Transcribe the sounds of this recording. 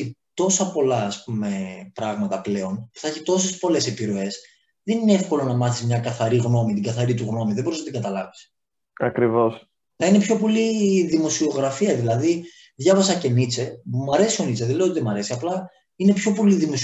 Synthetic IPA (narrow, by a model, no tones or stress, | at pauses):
it̪o̞sɐpo̞lɐːspume̞pɾɐɣmɐt̪ɐple̞o̞npuθɐçit̪o̞sespo̞le̞se̞piɾo̞e̞s | ðenineefko̞lo̞nɐmɐθizmɲɐkɐθɐɾiɣno̞mit̪iŋɡɐθɐɾit̪uɣno̞miðebo̞ɾiznɐt̪iŋɡɐt̪ɐlɐvis | ɐkɾivo̞s | nɐine̞pço̞po̞liðimo̞sio̞ɣɾɐfiɐðilɐði | ðʝɐvɐsɐce̞nit͡se̞mɐɾe̞sio̞nit͡seðele̞oiðemɐɾe̞siɐplɐ | ine̞pço̞po̞liðimo̞s